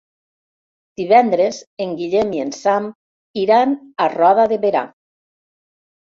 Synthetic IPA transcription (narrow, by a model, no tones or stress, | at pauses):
d̪̥iβɛnd̪ɾezeŋɡiʎemiensam | iɾanarɔðaðeβeɾa̰